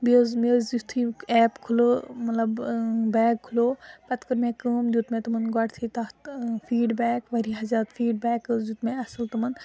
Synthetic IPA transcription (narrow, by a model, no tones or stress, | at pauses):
bizmizut̪ʰiɛːpkʰulomɐt̪lɐbbɛːɡ̚kʰːuloːpɐt̪kəɾmẽːkəːmd͡ʒut̪mẽt̪ɐmɐnɡɔʈt̪ʰit̪ɐt̪fiːɖbɛːkʋɐɾiɦɐzaːd̪fʰiːɖbɛːkəd͡ʒut̪mẽɐsəlt̪ɐmɐn